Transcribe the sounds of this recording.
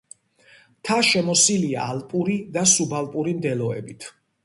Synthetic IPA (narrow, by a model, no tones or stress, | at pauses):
t̪ʰaʃɛmɔsilia̰ːlpʼuɾid̪asubalˠpʼuɾimd̪ɛlɔɛ̰bit̪ʰ